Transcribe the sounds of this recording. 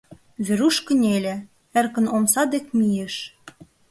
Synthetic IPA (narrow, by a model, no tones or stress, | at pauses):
βeɾuʃkə̆nʲelʲĕ | ĕrkə̆nomsɑd̪ekmijeʃ